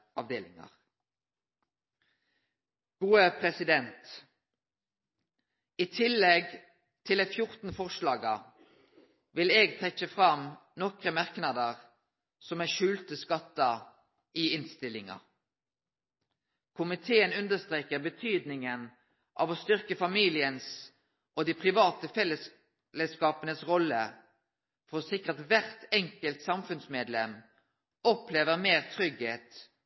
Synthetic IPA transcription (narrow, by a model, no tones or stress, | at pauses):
ɑʋd̪eːlɪ̰ŋɑ̰ʁ | ɡ̥uːəpʰʁɛsɪd̪ɛnt̪ | iːt̪ʰɪlːɛɡ | t̪ʰɪlɛfjʊʁt̪n̩fɔʁʂlɑːɡɑ | ʋɪleːɡt̪ʰɛt͡ʃːəfʁɑmnɔkʁəmɑʁknɑd̪əʁ | sɔmæːʃʉːlt̪əskɑt̪ːə | iːɪnst̪ɪlɪŋɑ̰ | kʰʊmɪt̪ʰeːənʉnd̪əst̪ʁeːkəʁbət̪ʰyːd̪nɪŋən | ʔɑ̰ːʋoːst̪ʏʁkəfɑmiːlɪəns | ʔod̪ipʰʁɪʋɑːt̪əfɛlːəs | lɛskɑːpənəsʁɔlːə | fɔʁosɪkːət̪ʋæʁt̪ɛŋkəlt̪sɑmfʉnsmeːd̪lɛm | ɔpleːʋəʁmeːʁt̪ʰʁʏɡheːt̪